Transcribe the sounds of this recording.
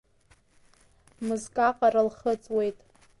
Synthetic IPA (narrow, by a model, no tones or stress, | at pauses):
mɨzkʼaqʼaɾalχət͡sʼwe̞jtʼ